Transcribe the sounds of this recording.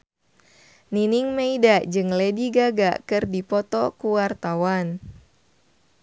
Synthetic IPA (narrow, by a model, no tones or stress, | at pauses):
niniŋmeidad͡ʒɨŋlediɡaɡa̰kɨrdipɔt̪ɔkuwart̪awan